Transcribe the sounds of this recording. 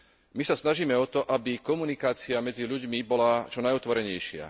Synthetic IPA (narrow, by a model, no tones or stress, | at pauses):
misasnaʒiːmɛɔt̪ɔʔabikɔmunikaːt͡siamɛd͡ziʎuɟmibɔlat͡ʃɔnajɔt̪ʋɔɾɛɲɛjʃɪa̰